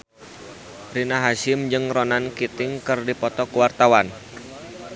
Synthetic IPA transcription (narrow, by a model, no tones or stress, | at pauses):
rinaɦasɪmd͡ʒɨŋronankit̪ɪŋkɨrdipɔt̪ɔkuwart̪awan